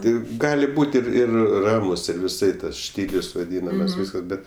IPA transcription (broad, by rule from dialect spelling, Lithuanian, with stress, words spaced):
ˈtɐɪ ˈɡɑːlʲɪ ˈbuːt ɪr ˈɪr ˈrɑːmʊs ɪr ʋʲɪˈsɐɪ ˈtɐs ˈʃʲtʲiːlʲʊs ʋɐˈdʲiːnɐmɐs ˈʋʲiːskɐs bʲɛt